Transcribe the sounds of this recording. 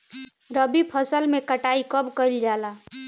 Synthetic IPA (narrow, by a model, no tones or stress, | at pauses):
ɾəbipʰəsəlmekəʈaikəbkəld͡ʒala